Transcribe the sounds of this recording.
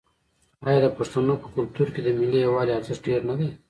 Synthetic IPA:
ɑːjɑd̪əpaʂt̪anopə̥kʊlt̪uɾked̪əmɪlijawɑleaɾzɪst̪̚ɖeɾnad̪e

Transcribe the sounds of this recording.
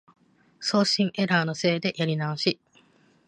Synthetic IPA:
so̞ːɕĩŋʔe̞ɾaːno̞se̞ːd̪e̞ʔjaɾʲinaoɕi

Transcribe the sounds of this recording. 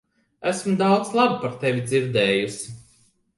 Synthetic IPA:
æsmd̪awd̪zlˠabpaɾt̪evʲid̪ziɾd̪ɛːjusi

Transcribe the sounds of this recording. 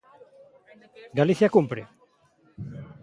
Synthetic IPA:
ɡaliθjakumpɾe

